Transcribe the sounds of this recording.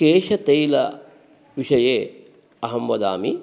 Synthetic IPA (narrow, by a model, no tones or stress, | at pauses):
keːʃɐt̪ejlɐ̰ | ʋiʂɐjeː | ɐɦɐmʋɐd̪aːmi